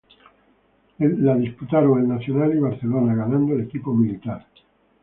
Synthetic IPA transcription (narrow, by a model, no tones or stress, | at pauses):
laðisput̪aɾoŋalnaθjonaliβ̞aɾθelonaɣanãnd̪oele̞kipomilit̪aɾ